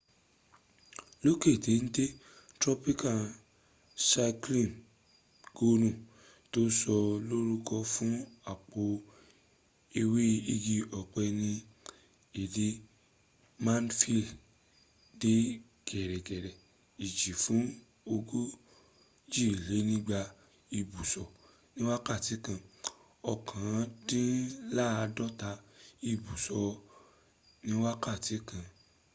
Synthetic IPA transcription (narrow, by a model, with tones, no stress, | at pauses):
lo˦ke˦˨de˨˦n̩˦de˦ | tɾɔ˦pi˦ka˨ | sa˧klĩ˦˨m | ɡ̥o˦nũ˦˨ | to˦sɔ˧lo˦ɾu˦kɔ˦fũ˦a˨k͡po˧ | e˧we˦i˧ɡi˧ɔ˨k͡pɛ˧nĩ˧ | e˨de˧˦ | mã˦nfi˦˨l | de˦ | ɡ̥ɛ˨ɾɛ˨ɡɛ˨ɾɛ˨ | i˨d͡ʒi˨fũ˨˦ | o˧ɡo˦ | d͡ʒi˦˨le˨˦nĩ˦ɡ͡ba˧ | i˧bu˨sɔ˨ | nĩ˦wa˦ka˦˨ti˨˦kã˧˨ | ɔ˧kʰã˨˦tĩ˦la˦a˧dɔ˦ta˧i˧bu˨sɔ˧ | nĩ˦wa˦ka˦˨ti˨˦kã˧